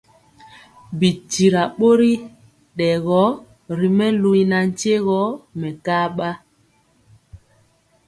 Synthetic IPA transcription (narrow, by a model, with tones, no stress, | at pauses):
bi˨ti˨ɾa˨ɓo˦ɾi˦ | ɗɛ˨ɣɔ˨˦ | ɾi˨mɛ˦lu˦na˨n̩˦t͡ʃe˦ɣɔ˨˦mɛ˨kaː˦ɓa˦